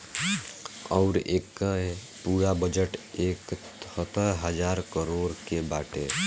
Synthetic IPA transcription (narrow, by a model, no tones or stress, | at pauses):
ɔʊɾeːkːəe | puːɾabəd͡ʒəʈeːkʰ | ət̪əɦəd͡ʒaːɾkəɾoːɾkebaːʈe